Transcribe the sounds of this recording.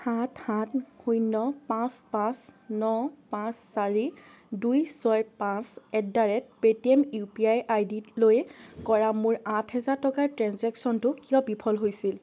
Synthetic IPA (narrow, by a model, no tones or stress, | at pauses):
hathãthujnːɔpãspãsnɔpãsːaɹi | dujsɔjpãsɛk̚daɹɛt̚petiɛmjupiajʔajdilojkɔɹamʊɹãtʰhɛzaɹtɔkaɹtɹɛ̃nzɛksɔntʊkijɔbipʰɔlɦojsil